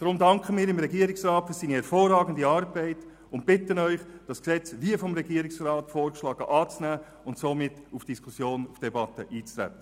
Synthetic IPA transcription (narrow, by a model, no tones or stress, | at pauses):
d̥ɾʊmdɑŋkχənmiːɾɪmɾɛɡiːəɾɪksrɑːtfyɾsiːnihɛɾfoːrɑːɡən̩diɑrbɛɪt | ʊnt̚b̥ɪtənœʏχd̥ɑsksɛt͡sʋiəfɔmɾɛɡiːəɾɪksrɑːtfoːɾkʃlɑːɡəʔɑːt͡snæː | ʊntsomɪtːufd̥iskʰusjoːnufd̥ɛbɑtəʔiːt͡st̪ɾɛ̰tːə